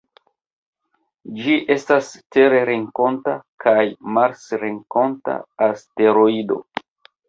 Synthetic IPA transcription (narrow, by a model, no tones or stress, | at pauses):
d͡ʒiʔe̞staste̞ɾeɾiŋko̞ntakʰajmaɾsɾiŋko̞nta̰aste̞ɾoido̞̰